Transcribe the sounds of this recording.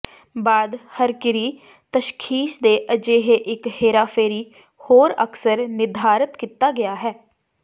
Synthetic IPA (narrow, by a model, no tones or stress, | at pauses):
baːd̪həɾkɪɾiː | t̪əʃkʰiːʃd̪eːʔəd͡ʒeːɦeːʔɪkheːɾaːfʰeːɾiː | hoːɾə̰ksəɾnɪd̪ʱaːɾət̪kiːt̪ːaːɡɪjaːɦɛː